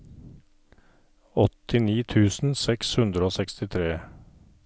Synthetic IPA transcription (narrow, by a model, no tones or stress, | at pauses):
ɔt̪ɪniːt̪ʰʉːsn̩sɛkshʉnd̪ɾəoːsɛkst̪ɪt̪ʰɾeː